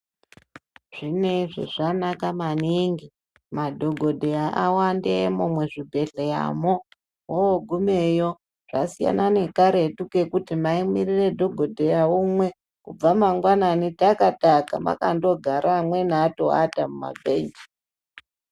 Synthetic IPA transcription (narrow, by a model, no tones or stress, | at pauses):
ʐ̥ineʐḛʐanakamaniŋɡi | madʱo̞ɡʱo̞dʱejaʔawandemomwe̞ʐibʱe̞ɮeja̰mo | wooɡʱumejo̞ | ʐ̥asija̰nane̞kaɾetuke̞kutimaimirire̞dʱo̞ɡʱo̞dʱejaumwe̞ | kub͡vamaŋɡwananitakataka̰ma̰ka̰ndo̞ɡʱaɾʔamwe̞naːtoa̰tamuma̰beːnd͡ʒi